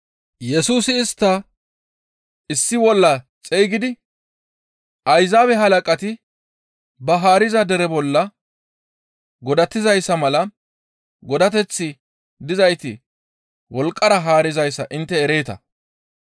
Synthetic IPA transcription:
jɛsuːsɪːst̪ːɐ | ɪsːɪwɔlːɐ | t͡sʼɛjɡɪd̪ɪ | ʔɐjzaːbɛɦɐlɐkʼɐt̪ɪ | bɐɦaːɾɪzɐd̪ɛɾɛbɔlːɐ | ɡɔd̪ɐt̪ːɪzɐjsːɐmɐlɐ | ɡɔd̪ɐt̪ɛt͡sːɪ | d̪ɪzɐjt̪ɪ̰ | wɔlkʼːɐɾɐɦaːɾɪzɐjsːɐ̰ʔɪnt̪ːɛːɾeːt̪ɐ̰

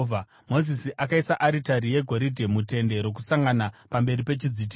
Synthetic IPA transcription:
vʱa | mo̞zisiʔakaisaʔaɾitaɾije̞ɡʱo̞ɾidʱemute̞nde̞ɾo̞k̬usaŋɡanapambe̞ripe̞t͡ʃid͡zit̬i

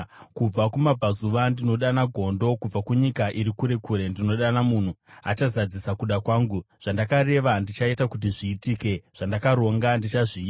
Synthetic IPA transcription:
kub͡vakumab͡vʱazuʋandino̞ɗanaɡʱo̞ndo̞kub͡vakuɲikaʔiɾikuɾe̞kuɾe̞ndino̞ɗanamun̤ua̰t͡ʃazad͡zisakuɗakwaːŋɡuʐ̥andakare̞ʋandit͡ʃaitakut̬iʐiːtiːke̞ʐ̥andakaɾo̞ŋɡandit͡ʃaʐi

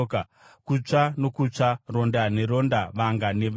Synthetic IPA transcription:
ka | kut͡ʂano̞kut͡ʂaro̞ndaneɾo̞ndaʋaŋɡaneʋ

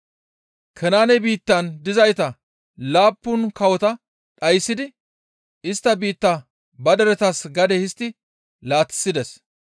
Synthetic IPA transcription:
kʰɛnaːnɛbiːt̪ːɐnd̪ɪzɐjt̪ɐ | laːpːʊnkɐwɔt̪ɐ | ɗɐjsːɪd̪ɪ | ɪst̪ːɐbiːt̪ːɐ | bɐd̪ɛɾɛt̪ɐsɡɐd̪ɛhɪst̪ːɪ | laːt̪ːɪ̥sːɪd̪ɛs

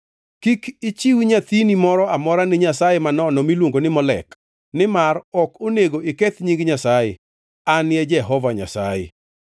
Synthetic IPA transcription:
kikɪt͡ʃiwiɲat̪inimɔɾɔamɔɾanɪɲasajemanɔnɔmilwoŋɡonɪmɔlɛ̰k | nɪmaɾɔkoneɡoʔɪkɛt̪ɲiŋɡɲasajḛ | anjɛd͡ʒɛɦɔvaɲa̰sa̰jḛ

